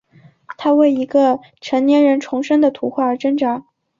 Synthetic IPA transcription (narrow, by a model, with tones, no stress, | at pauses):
t̪ʰa˥we˥˩ɪi˧˥ɡə˧ | ʈ͡ʂʰə˧˥nnjɛ˧˥nɻə˧˥nʈ͡ʂʰʊ˧˥ŋʂə˥ŋd̪ə˨t̪ʰu˧˥xwa˥˩ə˞˧˥ʈ͡ʂə˥ŋʈ͡ʂa˧˥